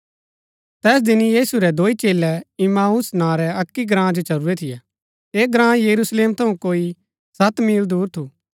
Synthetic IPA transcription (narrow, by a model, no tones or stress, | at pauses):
t̪ɛːs̬d̪ɪnjiːsuɾɛd̪oːit͡ʃeːlɛɪmaːusnaːɾɛɐkːiɡɾãːd͡ʒot͡ʃɐɾuɾɛt̪ʰɪjɛ | eːɡɾãːjɐɾusleːmt̪ʰɐũkoːi | sɐt̪miːld̪uːɾt̪ʰuː